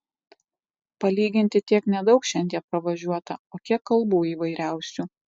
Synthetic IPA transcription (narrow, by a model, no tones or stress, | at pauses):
pɐlʲiːɡʲɪnʲt̪ʲɪt̪ʲiɛknʲɛd̪ɒʊkʃʲɛnʲd̪ʲiɛpɾɐʋɐʒʲuɔt̪ɐoːkʲiɛkːɐlˠbuːiːʋɐɪɾʲæˑʊsʲuː